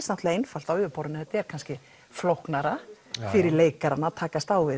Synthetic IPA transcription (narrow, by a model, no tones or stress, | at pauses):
snawht̪laejnfal̥t̪awʏːpʰɔwɾʏnʏhɛt̪ɛɾ̥kʰanscɪ | flohknaɾa | fɪɾɪɾleːjkaɾanːat̪ʰaːkast̪aːwvɪ